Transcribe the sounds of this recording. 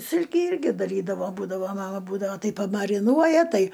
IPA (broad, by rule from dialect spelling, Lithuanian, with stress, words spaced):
ˈsʲɪlʲkʲɪ ˈɪrʲɡʲɪ dɐˈrʲiːdɐʋoː ˈbuːdɐʋoː ˈmɑːmɐ ˈbuːdɐʋoː ˈtɐɪ pɐmɐrʲɪˈnuɔjɛ ˈtɐɪ